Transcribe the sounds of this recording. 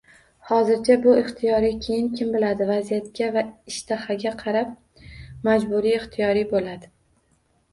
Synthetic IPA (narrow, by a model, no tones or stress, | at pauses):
hɒzɪɾt͡ʃʰabʊɪχt̪ʰɪjɒɾijkʲʰe̞jɪnkʲʰɪmbɪlad̪ɪvazijat̪̚kʲavaɪʃt̪ʰahaɡʲaqʰɑɾap̚ | mad͡ʒbʊɾiɪχt̪ʰɪjɒɾijbolad̪ɪ